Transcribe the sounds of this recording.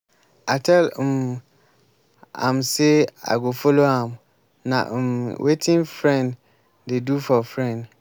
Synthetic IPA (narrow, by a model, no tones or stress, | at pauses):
atʰɛl̩m | ã̰msea̰ɡofoloãm | nã̰wʔetʰɪ̃nfɾɛ̃nd | dedufɔfɾɛ̃nd